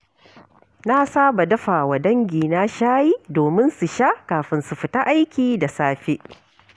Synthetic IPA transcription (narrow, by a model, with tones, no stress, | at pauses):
na˦saː˦ba˨dɐ˦ɸa˨wa˨dɐ˦ŋɡʲiː˨na˦ʃaː˦jiː˦doː˨mɪ˦nsu˨ʃaː˦kaː˨ɸɪ˨nsu˨ɸɪ˨ta˦ʔa˦jkʲiː˨da˨saː˦ɸe˦ʔ